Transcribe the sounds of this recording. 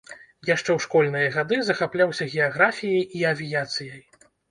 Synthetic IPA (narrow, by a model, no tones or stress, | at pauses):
jaʂt͡ʂɛwʂkɔlʲn̪ɨjɐɣad̪ɨzɐxaplʲawsʲɐɣʲɛjaɣɾafʲijɐjiɐvʲijat̪sɨjɐj